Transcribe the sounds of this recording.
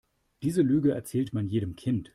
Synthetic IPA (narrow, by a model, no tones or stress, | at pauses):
d̥iːzəlyːɡəʔɛ̰ɐt͡sɛːltmanjeːdəmkʰɪnt